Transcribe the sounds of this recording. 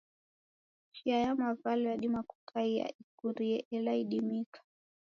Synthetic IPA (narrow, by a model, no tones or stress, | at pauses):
ʃiajamavalɛjaɗimaku̥kʰaia̰ikuɾiɛʔɛlaiɗimikḁ